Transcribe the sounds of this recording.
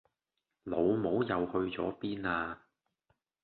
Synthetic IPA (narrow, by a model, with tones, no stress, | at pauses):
lo˨˧wmo˨˥wjɐ˨˧whɵ˧ɥt͡sɔ̰ː˨˥piː˥naː˧